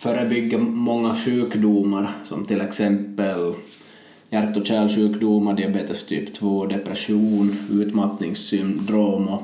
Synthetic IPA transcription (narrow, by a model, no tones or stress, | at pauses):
fœːɾəbʏɡːəmɔŋːaɕʉ̟ːkd̪umaɾsɔ̰mt̪ʰɪlɛksɛmpːəl | jæɾt̪ːɔɕæːlʂʉ̟ːkd̪umaɾɖ̪ɪabeːt̪əst̪ʰy̰ːpt̪ʰvoːd̪ɛpɾɛʂuːnʉ̟ːt̪mat̪nɪŋsːʏmd̪ɾoːmɔ